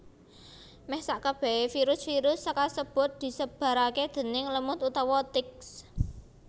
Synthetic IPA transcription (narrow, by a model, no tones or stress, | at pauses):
mɛhsaʔkəb̥ɛ̤fiɾʊsfiɾʊsːəkasəb̥ʊ̤t̪̚d̪̥i̤səb̥a̤ɾaked̪̥ə̤nɪŋləmʊt̪ut̪ɔwɔt̪ɪks